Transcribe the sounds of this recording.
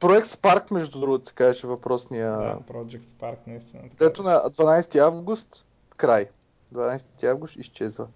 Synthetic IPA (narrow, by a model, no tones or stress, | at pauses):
pɾoɛkt̪spaɾkmɛʒd̪ud̪ɾuɡʊt̪ʊsɛ̥kaʒɛʃɛvɐpɾɔsnijəpɾɔd͡ʒɛkt̪paɾknɐist̪ind̪ɛt̪oʊnɐd̪vɐnajsɛ̥t̪iavɡʊst̪ | kɾaj | d̪vɐnajsɛt̪iavɡʊst̪ist͡ʃɛzvə